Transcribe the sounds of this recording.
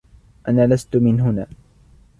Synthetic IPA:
ʔanaːlast̪ʊmɪnɦʊnaː

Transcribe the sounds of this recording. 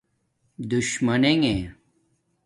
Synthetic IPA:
d̪uɕmɐneŋẽ

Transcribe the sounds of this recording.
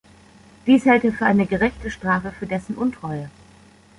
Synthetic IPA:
d̥iːshɛltəfyːɐʔaɪnəɡəʁɛçtəʃtʁ̥aːfəfyːɐdɛsn̩ʔʊntʁ̥ɔʏə

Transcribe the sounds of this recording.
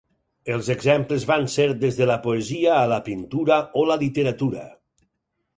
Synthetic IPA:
elˠzeɡzɛmpləzβanseɾd̪ezðələpoeziəːləpint̪uɾaoləlit̪eɾat̪uɾə̰

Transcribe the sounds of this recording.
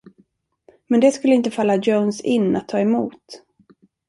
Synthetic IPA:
mɛnd̪ɛskɵlːəɪnt̪əfalːad͡ʒownsɪnːa̰t̪ʰːɑːɛmuːt̪

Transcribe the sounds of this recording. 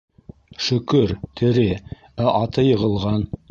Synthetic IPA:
ʃɵ̆kɵɾt̪ʰɘ̆ɾɘ | æʔɑt̪ɤjɤ̆ʁɤ̆lˠʁɑn

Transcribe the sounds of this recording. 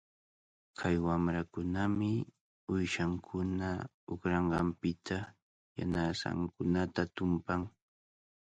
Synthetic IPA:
kʰajwamɾakʊnamɪ | ʊjʃaŋkʰʊna | ʊkɾɑɴɢɑmpɪt̪ʰa | ja̰nasa̰ŋkʊnat̪at̪ʊmpaŋ

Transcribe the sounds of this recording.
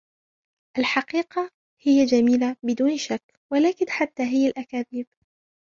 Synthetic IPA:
ʔalħɑqiːqɑ | hɪjːad͡ʒamiːlabɪd̪uːnʃakː | walaːkɪnħat̪ːaːɦɪjːalʔakaːðiːb

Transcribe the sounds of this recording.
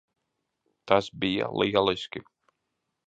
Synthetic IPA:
t̪asbija̰liɛlˠiskʲi

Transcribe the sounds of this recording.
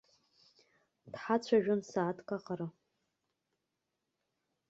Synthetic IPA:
d̥ħat͡ɕʷʰaʒᶣʊnsaːtʰkʼaqʼaɾɨ

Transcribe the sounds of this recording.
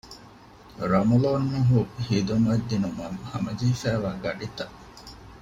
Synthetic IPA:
ɾɐmɐloːnːɐɦuhiːd̪umɐd̪ːinumɐŋhɐmɐd͡ʒiːfæːʋaːɡɐɖit̪ɐʔ

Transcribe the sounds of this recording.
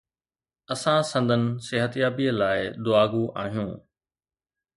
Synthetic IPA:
ɐsãsɐ̃nd̪ʱənɪ̆seɦət̪jaːbiːəlaːɪd̪ʊaːɡuʔa̰ːɦijṵ̃ː

